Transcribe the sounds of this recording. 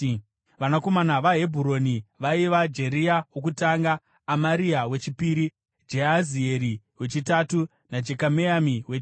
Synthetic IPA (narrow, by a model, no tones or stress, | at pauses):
ʋanako̞manaʋaɦe̞bʱuɾo̞niʋaiʋad͡ʒe̞ɾiawok̬utaŋɡaː | maɾiawe̞t͡ʃipiːɾi | d͡ʒeɦazie̞ɾi | we̞t͡ʃitatu | nad͡ʒe̞kameamiwet͡ʃ